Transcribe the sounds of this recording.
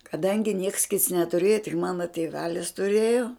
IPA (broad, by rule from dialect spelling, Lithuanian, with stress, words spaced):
kɐˈdɐŋʲɡʲɪ nʲiɛks kʲɪts nʲɛtʊˈrʲeːjoː tʲɪk ˈmɑːnoː tʲeːˈʋʲæːlʲɪs tʊˈrʲeːjoː